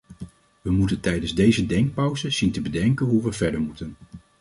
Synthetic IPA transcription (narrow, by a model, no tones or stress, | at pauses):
ʋəmutəntɛjdənzdejzədɛŋk̚pɑwzəz̥intəbədɛŋkənɦuʋəvɛɹdəɹmutən